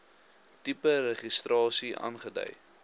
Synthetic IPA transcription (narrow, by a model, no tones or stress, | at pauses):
tipəɾəχistrɑːsiɑ̰ːnχədœ̰j